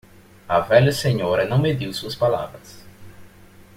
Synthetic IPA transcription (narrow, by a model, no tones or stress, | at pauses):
ɐvɛʎɐseɲoɾɐnɐ̃w̃med̪iwsuɐspala̰vɾɐs